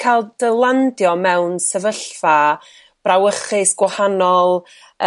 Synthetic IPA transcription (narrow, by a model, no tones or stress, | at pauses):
kʰalˠd̥əlˠandjɔmɛwnsəvəɬfa | b̥rawəχɨsɡ̥wahanɔlˠ